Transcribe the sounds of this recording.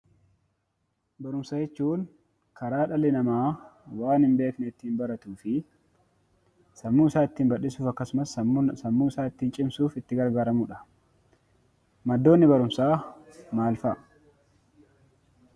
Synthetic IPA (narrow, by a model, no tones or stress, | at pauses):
bɐɾʊmsɐd͡ʒɛt͡ʃːuːŋ | kʰɐɾaːᶑɐlɪnɐmaːwaːnhɪmbe̞ːknɛɪt̪ːiːnbɐɾɐt̪uːfɪ | sɐmːuːɪsaːɪt̪ːiːnbɐᶑɪsuːfɐkːɐsʊmɐssɐmːuːɪsaːɪt̪ːiːnt͡ʃʼɪmsuːfɪt̪ːɪɡɐɾɡaːɾɐmuːᶑɐ̥ | mɐd̪ːoːnːɪbɐɾʊmsaːmaːlfɐ